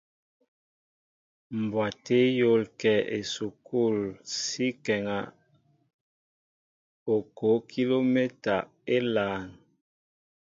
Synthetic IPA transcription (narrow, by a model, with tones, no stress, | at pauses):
m˨bwa˨te˦jo˦lkɛ˨e˨su˨ku˦˨lsi˦kɛ˨ŋa˨ | o˨ko˨˦kʰi˦lo˦me˦ta˨ | e˦laː˨n